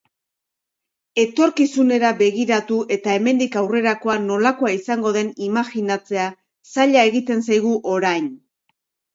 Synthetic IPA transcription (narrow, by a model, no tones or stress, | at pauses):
e̞t̪o̞ɾkisune̞ɾabe̞ɣiɾat̪uʔe̞t̪ae̞me̞nd̪ikawre̞ɾako̞ano̞lako̞aisaŋɡo̞ð̞e̞nimaxinat͡se̞a | saʎae̞ɣit̪e̞nsajɣ̞uʔo̞ɾajn